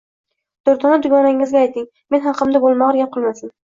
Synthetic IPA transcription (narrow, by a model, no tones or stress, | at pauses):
d̪̥oɾt̪ʰɒnad̪ʊɡɒnaŋɪzɡʲaajt̪ʰɪŋ | me̞nɦɑqʰɨmd̪abolˠmɒʁɾɡʲap̚qʰolˠmasɪn